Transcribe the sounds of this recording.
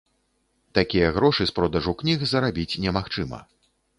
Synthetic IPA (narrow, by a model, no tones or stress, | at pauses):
t̪akʲijɐɣɾɔʂɨspɾɔd̪ɐʐuknʲiɣzɐɾabʲit͡sʲnʲɛmaxt͡ʂɨmɐ̰